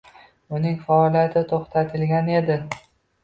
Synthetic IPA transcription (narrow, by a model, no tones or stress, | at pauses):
ʊnɪŋfaɒlˠijat̪ʰɪt̪ʰoχt̪ʰat̪ʰɪlɡʲane̞d̪ɪ